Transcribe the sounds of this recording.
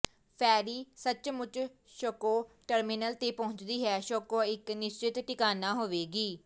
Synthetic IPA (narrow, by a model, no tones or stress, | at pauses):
pʰɛːɾiːsət͡ʃmʊt͡ʃ | ʃoːkoːʈəɾmɪnəlt̪eːpəɦʊ̃ɲt͡ʃd̪iːɦɛːʃoːkoːɪknɪst͡ʃɪt̪ʈɪkaːnãːɦoːʋeːɡiː